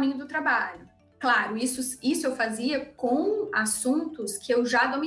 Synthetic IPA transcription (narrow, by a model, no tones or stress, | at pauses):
mĩɲʊd̪ʊt̪ɾabaʎʊ | klaɾʊisʊisʊewfaziɐkõw̃asũnt̪ʊskʰɪewʒad̪omi